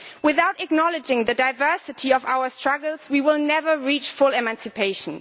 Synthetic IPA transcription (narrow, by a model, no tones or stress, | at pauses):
wɪθaʊtɨk̚nɑlˠɨd͡ʒɪ̃ŋðɨdaɪvɜ˞sɨtʰiʌvaʊə˞stɹ̥ʌɡl̩ˠzwiwɪlˠnɛvə˞ɹit͡ʃfʊlɛmæ̃nsɨpʰeɪʃə̃n